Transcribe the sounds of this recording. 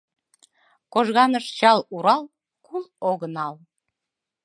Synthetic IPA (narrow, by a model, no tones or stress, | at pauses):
koʒɣɑnəʃt͡ɕɑluɾɑl | kuloɣənɑl